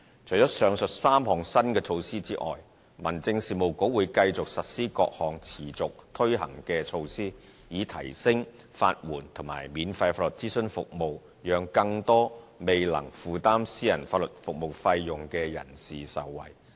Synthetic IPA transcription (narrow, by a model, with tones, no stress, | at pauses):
t͡ʃʰɵ˨˩jt͡sɔː˨˥sœː˨˧ŋsɵ˨t̚saː˥mɦɔː˨˩ŋsɐ˥nkɛː˧t͡ʃʰo˧wsiː˥t͡siː˥ʔɔ̰ː˨j | mɐ˨˩nt͡sɪ˧ŋsiː˨mo˨˩wko˨˥wuː˨˧˥jkɐ˧jt͡sʊ˨k̚sɐ˨t̚siː˥kɔ̰ː˧k̚hɔː˨ŋt͡sʰiː˨˩t͡sʊ˨k̚t̪ʰɵ˥ɥɦɐ̰˨˩ŋkɛː˧t͡ʃʰo˧wsiː˥ | jiː˨˧t̪ʰɐ̰˨˩jsɪ˥ŋ | fa̰ː˧t̚wuː˨˩nt̪ʰʊ˨˩ŋma̰ː˨˩jmiː˨˧nfɐ˧jfaː˧tlɵ˨t̚t͡siː˥sɵ˥˧nfʊ̰˨k̚mo˨w | jœː˨˧ŋkɐ˧ŋt̪ɔː˥me˨jlɐ̰˨˩ŋfuː˨t̪aː˥msiː˥jɐ˨˩nfaː˧t̚lɵ˨˩t̚fʊ˨k̚mo˨wfɐ˧jːʊ˨ŋkɛː˧jɐ̰˨˩nsiː˨sɐ̰˨wːɐ̰˨˩j